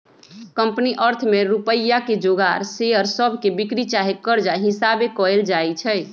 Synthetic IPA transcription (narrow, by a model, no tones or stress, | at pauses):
kəmpniʔəɾt̪ʰmeɾupəjːaked͡ʒoɡaɾseəɾsəbʱkebikɾit͡ʃaɦekːəɾd͡ʒaɦisabekɔeld͡ʒajt͡ʃʰɛɪ